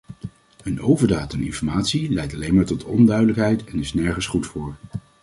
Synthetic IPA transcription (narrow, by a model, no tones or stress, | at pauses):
ənowvəɹdaːtɛnɪ̰nfɔɹmaːtsilɛjtɑlejnmaːɹtɔtʰɔ̰ndœɥdələkɦɛjtɛnɪsnɛɹχənsχutfʊːɹ